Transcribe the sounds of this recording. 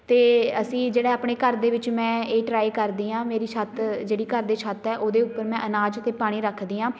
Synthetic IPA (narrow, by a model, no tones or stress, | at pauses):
t̪eːəsĩːd͡ʒeːɽaːaːpɳ̃eːkəɾd̪eːʋɪt͡ʃmɛ̃ːeːʈɾaːikəɾd̪iːãːmeːɾiːʃʰət̪d͡ʒeːɽiːkəɾd̪eːʃʰət̪ɛːʔoːd̪eːʊpːəɾmɛ̃ːʔənaːd͡ʒət̪eːpaːɽ̃iːɾəkʰd̪iːãː